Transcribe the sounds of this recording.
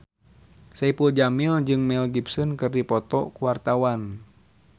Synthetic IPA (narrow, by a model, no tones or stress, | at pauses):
saipuld͡ʒamild͡ʒɨŋmɛlɡipsənkɨrdipɔt̪ɔ̰kuwart̪awan